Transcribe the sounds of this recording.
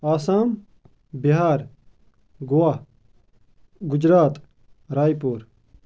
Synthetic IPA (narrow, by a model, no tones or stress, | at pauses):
aːsaːm | biɦaːɾ | ɡowa | ɡud͡ʑɾaːt̪ | ɾaːjpuːɾ